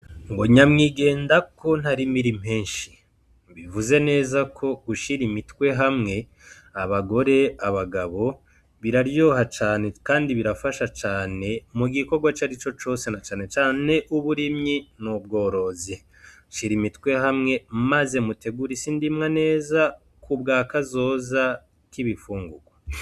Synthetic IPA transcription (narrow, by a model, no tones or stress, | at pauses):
ŋɡoɲamŋiɡe̞ːndako̞n̥haɾimiɾim̥heːnʃi̥ | βivuze̞ne̞ːzakʰo̞uʃiɾimitwe̞ɦamŋe̞ | aβaɡo̞ɾe̞aβaɡaβo̞ | βiɾaɾjo̞hat͡ʃaːne̞kaːndiβiɾafaʃat͡ʃaːne̞muɡiko̞ɾɡwat͡ʃaɾit͡ʃo̞t͡ʃo̞ːse̞nat͡ʃaːne̞t͡ʃaːne̞ʔuβuɾimɲinubɡo̞ːɾo̞zi | ʃiɾimitwe̞ɦamŋe̞maze̞mute̞ɡuɾisindimŋane̞ːza | kubɡaːkazo̞ːza | kiβifuːŋɡuɡwa